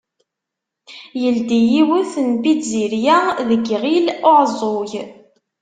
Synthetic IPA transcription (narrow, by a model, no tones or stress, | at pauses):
jəld̪ijiwʊθnbiziɾjæðəɡʁilʊʕzˤoj